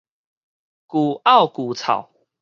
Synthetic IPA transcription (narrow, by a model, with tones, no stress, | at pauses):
ku˨˩a˥˨ʊku˨˩t͡sʰa̰˨˩ʊ